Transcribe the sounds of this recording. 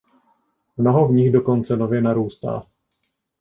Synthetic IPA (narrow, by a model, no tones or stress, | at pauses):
mno̞ɦovɲɪxdo̞ko̞nt͡sɛnovjɛnaɾuːst̪a̰ː